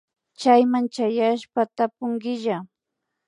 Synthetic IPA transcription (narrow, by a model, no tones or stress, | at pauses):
t͡ʃajmant͡ʃajaʃpat̪apʊŋɡɪʒa